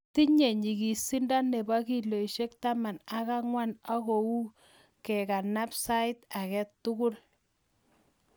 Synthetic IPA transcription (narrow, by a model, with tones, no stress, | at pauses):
ti˦ɲe˨ɲi˨ɣi˨si˦nda˦ne˨ba˦ki˨lo˨jʃe˦k̚ta˦ma˨na˦ka˦ŋwa˦na˦ko˨u˦ | kɛ˨ka˨na˦psa˦ɪ˦ta˨kɛ˦tːʊ˦kʊ˦r